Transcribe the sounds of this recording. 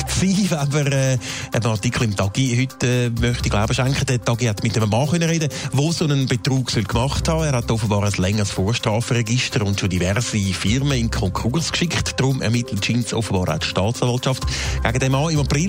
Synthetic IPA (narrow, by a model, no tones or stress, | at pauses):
siːvaməɾɛːʔənɑʁtikʰl̩ɪmtɑɡ̥ihʏtɛːmœχtiɡlaʊbəʃaŋkχədətɑɡihatmɪtɛmmɑːχœnəɾedəvoːsonənbetruːksœlkmɑχthɑːɛːɾhatofəbɑːɾəslɛŋːəsfoːɾʃtʁɑːfəɾɛɡɪʃtəɾʊntʃodivɛʁsifɪʁməɪnkʰɔŋkʰuɾskʃɪkχtd̥ʁʊmɛ̰ʁmɪtʰlətʃinsofəbɑːɾa̰ʊtʃtɑːt͡sɑːvɑltt͡ʃɑftɡ̥aɡədɛmːɑːɪmɑpɾɪ